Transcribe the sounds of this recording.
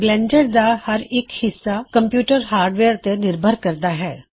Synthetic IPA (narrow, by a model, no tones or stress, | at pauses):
ɡlɛ̃ːɳɖəɽd̪ahɐɾɪkhɪsːakɐ̃mpjuːʈəɾɦaːɾɖʋeːɾt̪enɪɾbʱəɾkɐɾd̪aɦɛː